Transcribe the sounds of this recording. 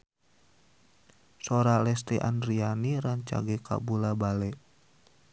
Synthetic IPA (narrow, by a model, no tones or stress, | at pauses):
sɔɾalɛst̪ɛʔa̰nrianiɾaɲt͡ʃa̰ɡɛkʰa̰bulabalɛʔ